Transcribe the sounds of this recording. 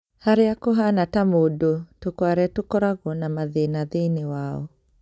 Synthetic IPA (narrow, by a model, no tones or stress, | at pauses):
haɾeakoɦanatamodotokwaɾɛtokɔɾaɣɔnamaðenaðenewaɔ̰